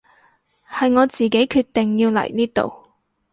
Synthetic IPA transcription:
hɐ˨jŋɔː˨˧t͡siː˨ke˨˥jkʰyː˧t̪ːɪ˨ŋjiː˧wlɐ̰˨˩jniː˥t̪o̰˨w

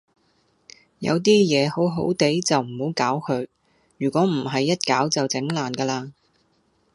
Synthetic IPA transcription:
jɐ̰˨˧wt̪̬iː˥jɛː˨˧ho˨˥wɦo̰˨˥wt̪e˨˥jt͡sɐ˨wm̩˨˩ho˨˧˥wkaː˨˥wkʰɵ˨˧ɥ | jyː˨˩kʷɔː˨˥m̩˨˩ɦɐ˨jːɐ˥t̚kaː˨˥wt͡sɐ˨wt͡sɪ˨˥ŋlaː˨˩nkɛː˧laː˧

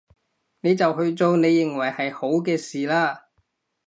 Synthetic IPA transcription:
ne˨˧jt͡sɐ˨whɵ˧ɥt͡so˧wne˨˧jːɪ˨˩ŋwɐ˨˩jhɐ˨jho˨˥wkɛː˧siː˨laː˥

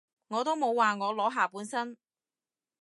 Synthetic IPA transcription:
ŋɔː˨˧t̪o˥wmo˨˧waː˨ŋɔː˨˧lɔː˨˥ɦaː˨˧puː˨˥nsɐ˥n

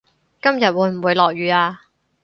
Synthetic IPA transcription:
kɐ˥mjɐ˨t̚wuː˨˧˥jm̩˨˩wuː˨˧jlɔː˨k̚jyː˨˧aː˧

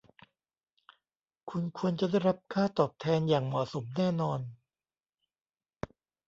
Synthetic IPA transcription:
kʰu˧nkʰu˧ənt͡ɕa˨˩˦da˥˩jɾa˦˥p̚kʰaː˥˩t̪ɔː˨˩p̚t̪ʰɛː˧njaː˨˩ŋmɔ˨˩so˩˦mnɛː˥˩nɔː˧n

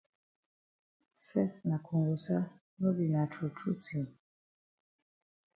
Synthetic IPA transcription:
sɛ˦tna˨kʰu˨ŋɡu˨sa˦ | nɔ˦bi˨na˨tʰu˨tʰu˦tʰi˨n

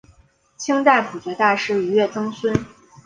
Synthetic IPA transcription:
t͡ɕʰi˥ŋt̪a˥˩ɪpʰu˨˩t͡ɕɥɛ˧˥t̪a˥˧ʂɻ̩˥˩y˧˥ɥɛ˥˩t͡sɤ˥ŋswə˥n

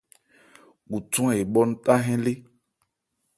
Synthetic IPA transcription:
ɡu˨tũ˦a˨e˨ɓɔ˦n̩˦ta˦ɦɛ̃˦le˦

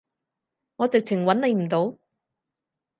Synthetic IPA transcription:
ŋɔː˨˧t͡sɪ˨k̚t͡sʰɪ˨˩ŋwɐ˨˥nle˨˧jm̩˨˩t̪o˨˥w

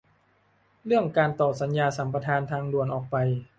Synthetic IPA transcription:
ɾɯ˥˩əŋkaː˧nt̪ɔː˨˩t̪̚sa˩˦njaː˧sa˩˦mpɾa˧t̪ʰaː˧nt̪ʰaː˧ŋdu˨˩ənʔɔː˨˩k̚pa˧j

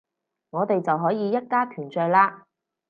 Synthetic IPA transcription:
ŋɔː˨˧t̪e˨jt͡sɐ˨wɦɔː˨˥jiː˨˧jɐ˥t̚kaː˥p̪ʰyː˨˩nt͡ʃœː˨˧laː˧

